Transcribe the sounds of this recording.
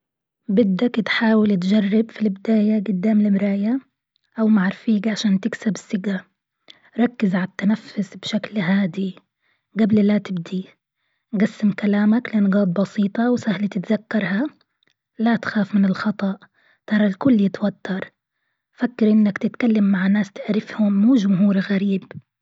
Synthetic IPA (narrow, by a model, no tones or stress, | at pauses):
bɪd̪ːakt̪ħaːwɪlt̪d͡ʒarˤːɪbfilbɪd̪aːjaɡʊd̪ːaːmlɪmɾaːja | ʔawmaʕɾˤfiːkʕaʃaːnt̪ɪksabɪsːɪɡa | ɾˤɑkːɪzʕalat̪ːanafːʊsbʃaklɦaːd̪i | ɡabllat̪ɪb̚d̪i | ɡasːɪmkalaːmaklɪʔanɡɑːt̪̚ˤbɑsiːt̪ˤɑwsahlat̪ɪt̪ðakːɑɾˤha | lat̪xaːfmɪnɪlxɑt̪ˤɑʔ | t̪ɑɾˤɑlkʊlːjɪt̪wat̪ːɑɾˤ | fakːɪɾʔɪnːakt̪ɪt̪kalːamːaʕnaːst̪ɪʕɾɪfhʊmːuːʒʊmɦuːɾɣaɾiːb